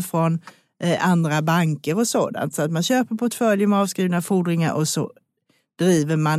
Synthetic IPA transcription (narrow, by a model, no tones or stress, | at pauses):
fɾɔn | ʔand̪ɾabaŋkəɾɔso̰ːd̪a̰nt̪sɔat̪manɕøːpəɾpʰɔʈfœljəmɛɑːvskɾiːvnafuɖɾɪŋa̰ɾʔɔsɔ̰ | d̪̥ɾiːvəɾman